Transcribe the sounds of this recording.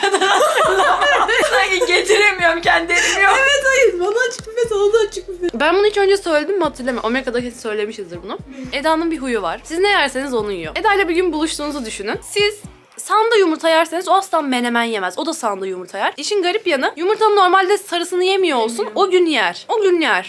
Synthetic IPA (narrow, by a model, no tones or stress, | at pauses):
ad̪ | saciɟet̪ʰiɾemijoɾmcʰɛnd̪iemijovet̪ajɯbanaat͡ʃʰɯ̥kmet̪ounaat͡ʃʰɯk̚bænbunuit͡ʃø̞nd͡ʒɛsø̞jlʲed̪imːat̪ʰɯlʲˠemɛʔomeɾkad̪akʰesi̥sø̞jlʲe̞miʃizd̪ɯɾbunued̪aːnɯnbiɦujuva̰ɾ̥siznejæɾse̞nizonujjoed̪alʲabiɟynbulˠuʃt̪ʰuːnuzɯd̪yʃynymsiz̥ | sand̪ajumuɾt̪ʰajæɾse̞nizoast̪anme̞nemænje̞mæzod̪asand̪ajumuɾt̪ʰajaɾ̥iʃinɡaɾipjanɯjumuɾt̪ʰanɯno̞ɾmalʲd̪ɛsaɾɯsɯnɯje̞mijoolˠsunoɟynjæɾ̥oɟynːijæɾ̥